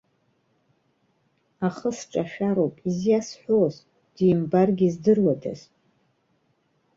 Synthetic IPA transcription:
aχəsʈ͡ʂʼaʃᶣaɾowpʼizjasħʷᶣoz | d̥ijɪmbarɡʲizdɨrwada̰z

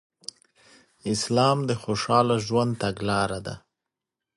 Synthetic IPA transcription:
ɪslɑmd̪əxoʃɑlaʒwand̪̚t̪aɡlɑɾad̪a̰

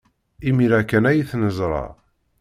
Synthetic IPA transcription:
imiɾækːænæjiθnəzˤɾˤɑ̰

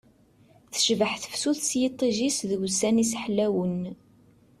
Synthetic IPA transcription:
θə̥ʃvəħθə̥fsuθsjit̪ˤːiʒisðəɡsænisħlːæwən

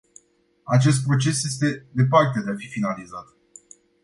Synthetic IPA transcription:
at͡ʃe̞s̬t̪̚pɾo̞t͡ʃe̞sje̞st̪e̞d̪e̞part̪e̞d̪eafifinalizat̪

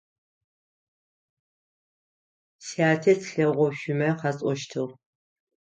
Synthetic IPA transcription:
siaːtʰetɬɐʁʷɔɕʷʊmɐqɑt͡sʼɔʃtʰɨʁ

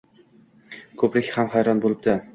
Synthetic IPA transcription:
kʰɵpɾɪkʲhamhajɾɒnbolˠɪb̚d̪ɪ

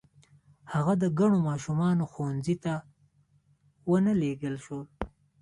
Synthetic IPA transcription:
haɣad̪əɡaɳomɑːʃumɑnoxownzit̪a | wənəleɡəlʃol

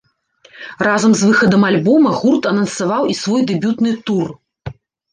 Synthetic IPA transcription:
razɐmzvɨxɐd̪ɐmalʲbɔmɐɣurt̪ɐnɐnsavawisvɔjd̪ɛbʲut̪nɨt̪ur

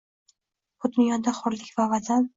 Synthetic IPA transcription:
b̥ʊd̪ʊnjɒd̪aχʊɾlɪkʲvavazan

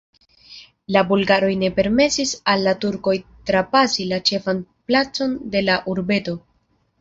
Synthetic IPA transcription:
labulɡaɾo̞jne̞pe̞ɾme̞sisalːatuɾko̞jtɾapasilat͡ʃe̞fanplat͡so̞nde̞laʔuɾbe̞to̞

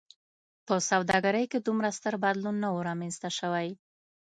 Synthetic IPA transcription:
pəsawd̪ɑɡaɾəjked̪umɾast̪əɾbad̪lunːawəɾɑmenzt̪aʃəwaj

